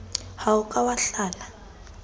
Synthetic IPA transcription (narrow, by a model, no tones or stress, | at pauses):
haʊkʼawaɬaːla